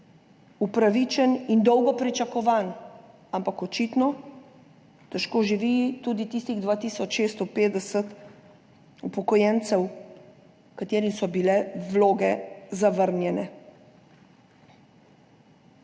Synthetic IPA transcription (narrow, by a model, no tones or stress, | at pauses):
upɾaʋit͡ʃɛnind̪ɔwɡɔpɾit͡ʃakɔʋaːn | ampakɔt͡ʃit̪nɔ | t̪ɛʃkoːʒiʋit̪ud̪it̪iːst̪iɣd̪ʋaːt̪iːsɔt͡ʃʃeːst̪ɔpeːd̪ɛsət̪ | upɔkɔjɛnt̪sɛw | kat̪eːɾimsɔbilɛʋloːɡɛzaʋəɾnjɛnɛ